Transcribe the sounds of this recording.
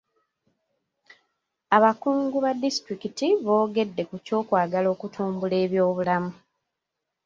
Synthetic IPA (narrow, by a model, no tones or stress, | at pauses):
aβakuːŋɡuβadistɾikitiβo̞ːɡe̞dːe̞kuco̞ːkwaːɡalo̞ːkutʰuːmbule̞ːβjo̞ːβulamu